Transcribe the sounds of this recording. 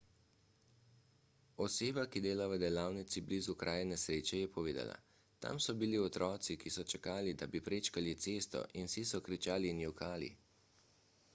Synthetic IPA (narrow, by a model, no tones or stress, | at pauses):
ɔseːbakid̪eːlaʋəd̪ɛlaːwnit̪siblizukɾʔaːjɛnɛsɾeːt͡ʃɛjɛpɔʋeːd̪a̰la̰ | t̪a̰msɔbiliɔt̪ɾɔːt̪sikisɔt͡ʃɛkaːlid̪abipɾeːt͡ʃkalit̪seːst̪ɔ̰ʔinsisɔkɾit͡ʃaːlinjukaːlḭ